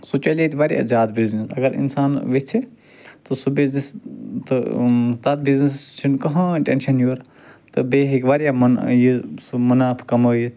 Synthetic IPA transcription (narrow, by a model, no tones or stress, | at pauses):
sut͡ʃɐlʲit̪iʋaɾʲija̰zʲjaːd̪biznisɐɡɐɾḭnsaːnʋet͡sʰi | t̪ɨsubiznist̪ɨt̪ɐt̪̚biznist͡ʃʰinkɐɦãʈenʃɐnjoːɾ | t̪ɨbeːɦikʋaɾijamɐnjisumɐnaːpʰkɐməːjit̪